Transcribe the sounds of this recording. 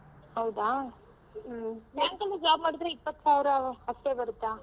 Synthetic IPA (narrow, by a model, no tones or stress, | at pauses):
hɐwd̪aː | nɐŋkɐnːɐd͡ʒaːbmaːɽɯd̪ɾeipːɐt̪ːsaːʋɾɐɦɐst̪ːeːbɐɾɯt̪ːaː